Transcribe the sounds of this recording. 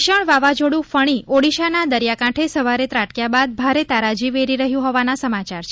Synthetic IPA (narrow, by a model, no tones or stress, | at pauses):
ʃəɳʋaʋad͡ʒoɽũfəɽ̃iʔoɽiʃanad̪əɾjakãʈʰesəʋaɾet̪ɾaʈkjabad̪bʱaɾet̪aɾad͡ʒiʋeɾiɾəɦjũɦɔʋanasəmat͡ʃaɾt͡ʃʰ